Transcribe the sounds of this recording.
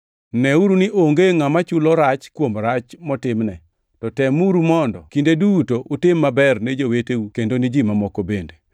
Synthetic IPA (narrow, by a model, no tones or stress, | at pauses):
nɛuɾunɪʔoŋɡeŋamat͡ʃʊlɔɾat͡ʃkwomɾat͡ʃmɔtɪmnɛ | tɔtɛmuɾumɔndɔ̰kindeduutoʔʊtɪmːabɛrned͡ʒoweteukendonɪd͡ʒimamɔkobende